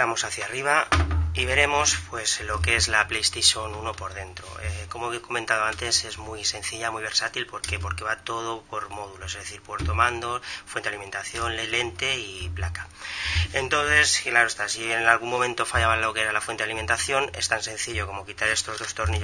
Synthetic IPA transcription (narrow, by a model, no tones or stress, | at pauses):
amo̞saθjariβ̞aiβe̞ɾe̞mo̞spwe̞slo̞kee̞zlaplejest̪eʃo̞nuno̞po̞ɾðe̞nt̪ɾo̞̰eko̞moeko̞ment̪að̞o̞ant̪e̞se̞zmwise̞n̟θiʎamuiβe̞ɾsat̪ilpo̞ɾke̞po̞ɾke̞βat̪o̞ð̞o̞po̞ɾmo̞ðulo̞se̞zðe̞θiɾpwoɾt̪omãnd̪o̞fwe̞nt̪e̞aliment̪aθjo̞nlele̞nt̪e̞iplakḁ | e̞nt̪o̞nθe̞sklaɾoest̪asienalɣ̞umõ̞mẽ̞nt̪o̞faʎaβalo̞keeɾalafwent̪ealime̞nt̪aθjo̞ne̞st̪anse̞nθiʎo̞ko̞mo̞kit̪aɾe̞st̪o̞zðo̞st̪o̞ɾni